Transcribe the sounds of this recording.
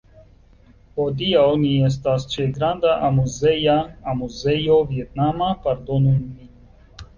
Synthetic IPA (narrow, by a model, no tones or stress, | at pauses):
hod̪ijaoniɛs̬t̪ast͡ʃeɡɾand̪aʔamuzejaːmuzejovjet̪̚namapaɾd̪onuni